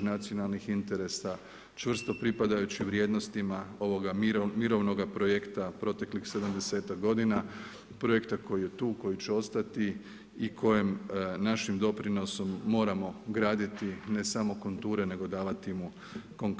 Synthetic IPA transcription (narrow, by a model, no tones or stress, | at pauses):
nat̪sio̞nalˠnixint̪e̞ɾe̞sa | t͡ʃʋr̩st̪o̞pɾipad̪ajut͡ɕiʋɾje̞ːd̪no̞st̪imao̞ʋo̞ɡamiɾo̞ʋno̞ɡapɾo̞jekt̪apɾo̞t̪e̞klixse̞d̪amd̪e̞se̞ːt̪akɡo̞d̪ina | pɾojekt̪ako̞jije̞t̪uːko̞jit͡ɕeo̞st̪at̪i | ikʰo̞jemnaʃimd̪o̞pɾino̞so̞mːo̞ːɾamo̞ɡɾaːd̪it̪ine̞samo̞kunt̪uːɾene̞ɡo̞d̪aːʋat̪imu | ko̞ŋk